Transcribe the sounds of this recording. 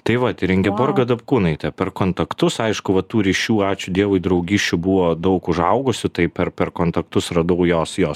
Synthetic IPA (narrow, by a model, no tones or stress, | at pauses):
t̪ɐɪʋɐt̪ʲɪɾʲɪŋʲɡʲɛborɡɐd̪ɐpkuːnɐɪt̪ʲɛpʲɛrkoːnt̪ɐkt̪ʊsɐɪʃkʊʋɐt̪uːɾʲiːʃʲuːɑːt͡ʃʲʊdʲiɛʋʊɪd̪ɾɐʊɡʲiːʃʲt͡ʃʲʊbʊʋoːd̪ɐʊkʊʒɐʊɡʊsʲʊt̪ɐɪpʲɛrpʲɛrkoːnt̪ɐk̚t̪ʊsrɐd̪ɐʊjoːsjoːs